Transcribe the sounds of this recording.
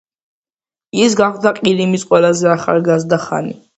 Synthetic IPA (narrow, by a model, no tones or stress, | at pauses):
isɡaχd̪aqʼiɾimisqʼwɛlazɛaχa̰lˠɡazd̪aχa̰nḭ